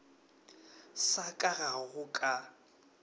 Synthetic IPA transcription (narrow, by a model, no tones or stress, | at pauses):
sakʼaɣaɣʊkʼa